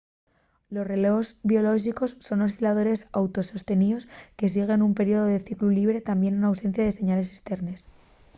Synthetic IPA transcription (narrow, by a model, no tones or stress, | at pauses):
lo̞sre̞leozβio̞lo̞ʃ̬iko̞sːo̞no̞silað̞o̞ɾe̞sawt̪o̞so̞st̪e̞nio̞ske̞s̬iɣ̞e̞numpe̞ɾio̞ðoðe̞θikluliβ̞ɾe̞t̪ambje̞nunawse̞n̟θjaðe̞se̞ɲale̞sest̪e̞ɾne̞s